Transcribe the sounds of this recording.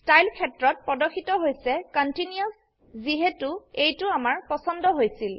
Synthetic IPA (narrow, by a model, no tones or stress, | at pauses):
stajlkʰɛtɹɔt̚pɔdɔkʰːitɔɦojsɛkɔntiniɔs | ziɦɛtʊejtʊamaɹpɔsɔndɔɦojsil